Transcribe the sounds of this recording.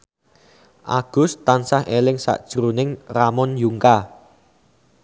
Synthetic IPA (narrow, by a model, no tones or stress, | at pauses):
ʔaɡ̥ʊ̤st̪ansahʔelɪŋsa̰ʔd̥ʒ̥ɾunɪŋramɔnjuŋka